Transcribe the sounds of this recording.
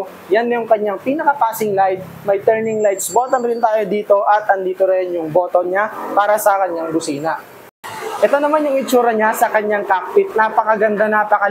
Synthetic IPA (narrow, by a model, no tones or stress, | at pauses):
janːɐjʊŋkɐɲːaŋpiːnɐkɐpaːsɪŋlajd̪̚ | mɐjt̪ɛɾnɪŋlajt̪sbot̪onɾɪnt̪aːjod̪iːt̪o̞ʔɐt̪ɐnd̪iːt̪oɾɐnjʊŋbo̞ːt̪onɲapaːɾɐsɐkɐɲːaŋbʊsiːnɐ | ʔɛt̪o̞nɐmanjʊŋɪt͡ʃuːɾɐɲasɐkɐɲaŋkampɪt̪̚naːpɐkɐɡɐnd̪anaːpɐkɐ